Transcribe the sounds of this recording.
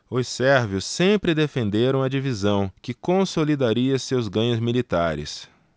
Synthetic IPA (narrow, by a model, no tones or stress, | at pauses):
ʊsɛɾvjʊsːẽpɾɪd̪efẽnd̪eɾɐ̃w̃ɐd͡ʒivizɐ̃w̃kɪkõsolid̪aɾiɐsewzɡɐ̃ɲʊzmilit̪a̰ɾɪ̰s